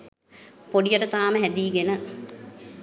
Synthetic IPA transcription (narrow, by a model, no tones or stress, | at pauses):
poɖijəʈət̪aːməɦæd̪iːɡenə